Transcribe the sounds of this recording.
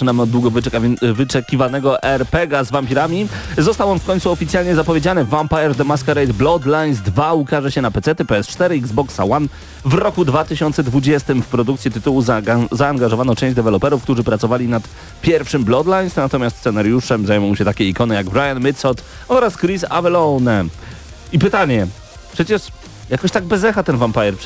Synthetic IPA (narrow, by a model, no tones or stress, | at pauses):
ɨnamɔd̪d̪wuɡɔvvɘt͡ʂɛkʲivanɛɡɔʔɛɾpɛɡazvampʲiɾamʲizɔst̪awɔnfkɔɲ̃t̪suɔfʲit̪sʲjalɲɛzapɔvʲjed͡ʑanɘvampajɛɾd̪ɛmaskaɾajd̪blɔd̪laj̪zd̪vaukaʐɛɕɛnapɛt̪sɛt̪ɘpɛɛst͡ʂt̪ɛɾɘiɡzbɔksa̰wan | vɾɔkud̪vat̪ɘɕɔnt̪sɛd̪vud͡ʑɛst̪ɘmfpɾɔd̪ukt̪sʲjit̪ɘt̪uwuzzaːŋɡaʐɔvanɔt͡ʂɛ̃w̃ʑd͡ʑd̪ɛvɛlɔpɛɾufk̚t̪uʐɘpɾat̪sɔvalʲinat̪ | pʲjɛɾfʂɘmblɔd̪laj̪snat̪ɔmʲjast̪sɛnaɾjuʂɛmzajmuɔ̃w̃ɕɛt̪akʲɛikɔnɘjaɡbɾajanmɘt̪sɔt̪ | ɔɾaskɾisavɛlɔnɛ | ipɘt̪aɲɛ | pʂɛt͡ɕɛʂ | jakɔɕt̪aɡ̚bɛzɛxat̪ɛnvampajɛɾp